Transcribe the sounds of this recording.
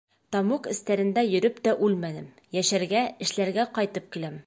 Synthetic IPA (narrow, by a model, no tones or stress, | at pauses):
t̪ɒmuqɘ̆st̪æɾɘ̆nd̪æjɵ̆ɾɵpt̪æʔʉlmænɘm | jæʃæɾɡæɘ̆ʃlæɾɡæqɒjt̪ɤp̚kilæm